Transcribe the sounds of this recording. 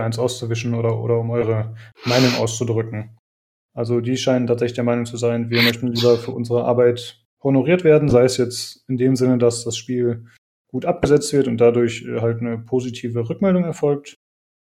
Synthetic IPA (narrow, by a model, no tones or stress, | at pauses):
ʔaɪnsʔaʊst͡suvɪʃn̩oːdɐʔo̰ːdɐʊmʔɔʏʁ̞əmaɪnʊŋʔa̰ʊst͡sudʁʏkŋ̩ | ʔalzodiːʃaɪnəntʰaːtz̥ɛçlɪçdeːɐmaɪnʊŋt͡suzaɪnviːɐmœçtn̩liːbɐfyːɐʔʊnzəʁəʔa̰ɐbaɪt | honoʁiːɐtv̥eːɐdn̩zaɪəsjɛt͡stɪndeːmzɪnədasd̥asʃpiːl | ɡ̥uːtʔap̚ɡ̥əzɛt͡stv̥ɪɐtʊntd̥adʊɐçʔɛ̰ːɦaltnəpʰoːzitʰiːvəʁʏkmɛldʊŋɛɐfɔlk̚t